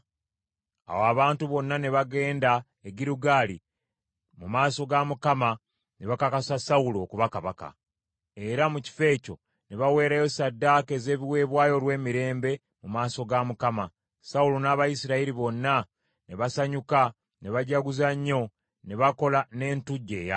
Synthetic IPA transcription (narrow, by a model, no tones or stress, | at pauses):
a̰woaβaːntuβo̞nːane̞βaɡe̞ːnda | eɡiɾuɡaːlḭ | mumaːso̞ɡamukama | ne̞βakakasasaulokuβakaβaka̰ | e̞ɾamuci̥fe̞ːco̞̰ | ne̞βawe̞ːɾajo̞sadːaːke̞ze̞ːβiwe̞ːβwaːjo̞lwe̞ːmiɾe̞ːmbe̞ | mumaːso̞ɡamukama | saulunaːβajisiɾaiɾiβo̞nːa | ne̞βasaɲuka | ne̞βaɟaɡuzaɲːo̞ | ne̞βako̞lane̞ːntuɟːe̞̰ːja̰